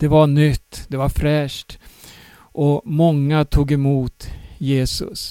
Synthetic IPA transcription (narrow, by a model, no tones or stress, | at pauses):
d̪̥ɛvaɳʏt̪ːd̪ɛvaɾfɾɛːʂʈ | ʔɔmɔŋːat̪ʰuːɡɛmuːt̪jeːsɵ̰s